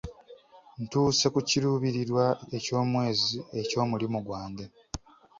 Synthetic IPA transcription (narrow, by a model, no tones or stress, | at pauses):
ntuːse̞kuciɾuːβiɾiɾwae̞co̞ːmwe̞ːzie̞co̞ːmulimuɡwaːnde